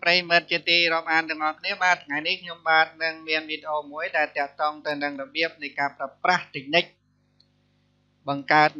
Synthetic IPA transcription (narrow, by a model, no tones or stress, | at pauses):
prəjimɨt̪̚t͡ɕiət̪iːrŏəp̚ʔaːnt̪ɨ̆əŋʔɑhkʰniəɓaːt̪ʰŋajnihkʰɲomɓaːt̪̚nɨŋmiənʋiːɗeʔoːmuəjɗaɛlt̪ɛ̆əʔt̪oːŋt̪ɨwnɨŋrɔɓiəp̚nɨjkaːpraəpraht̪ɨc̚nɨc̚ | ɓɑŋkaət̪̚